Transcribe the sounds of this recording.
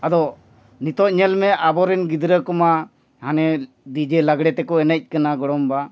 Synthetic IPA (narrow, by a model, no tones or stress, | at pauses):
ad̪ɔ | nit̪ɔt̚ɲɛlmɛabɔɾɛnɡid̪ɾəkɔma | hanɛ | d̪id͡ʒɛlaɡɽɛt̪ɛkɔɛnəc̚ˀkanaɡɔɽɔmba